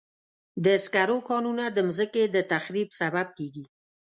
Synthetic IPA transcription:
d̪əskaɾokɑnunad̪əmzəked̪ət̪axɾibsabab̚keɡi

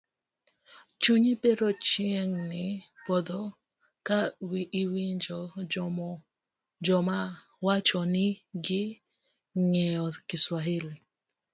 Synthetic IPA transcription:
t͡ʃuɲipeɾɔt͡ʃieŋnɪpɔd̪ɔ | kawiʔːwiɲd͡ʒɔ | d͡ʒɔma | wat͡ʃɔnɪɡɪ | ŋɛɔkɪswaɦeli

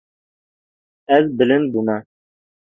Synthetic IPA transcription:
æðbɘ̆lɘnbunɑ

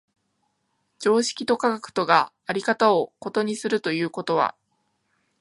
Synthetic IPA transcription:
d͡ʑo̞ːɕi̥kʲit̪o̞kaɡakɯ̟̥t̪o̞ɡa | aɾʲikat̪ao̞ko̞t̪o̞ɲ̟isɨɾɯ̟t̪o̞jɯ̟ːko̞t̪o̞β̞a̰

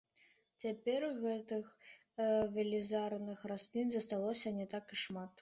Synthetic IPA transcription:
t͡sʲapʲɛrɣɛt̪ɨx | vʲelʲizarnɨxrasʲnʲinʲzɐst̪alˠɔsʲɐnʲɛt̪akiʂmat̪

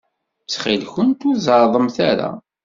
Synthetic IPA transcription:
t͡sːχilçənt̪uzɑɾˤðˤəmθæɾa̰

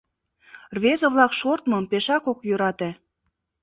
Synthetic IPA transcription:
rβezə̆βlɑkʃort̪mɤ̆mpeʃɑkokjøɾɑt̪e

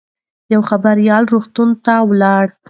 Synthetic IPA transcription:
jawxabaɾjɑlɾoxt̪unt̪awlɑɽ

